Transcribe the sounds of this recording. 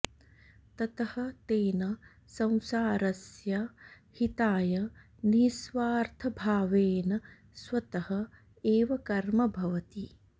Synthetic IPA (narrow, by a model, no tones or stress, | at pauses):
t̪ɐt̪ɐhɐ̆t̪eːnɐ | sɐ̃w̃saːɾɐsjɐ | hit̪aːjɐ | nisʋaːɾt̪ʰɐbʱaːʋeːnɐ | sʋɐt̪ɐhɐ | eːʋɐkɐɾmɐbʱɐʋɐt̪i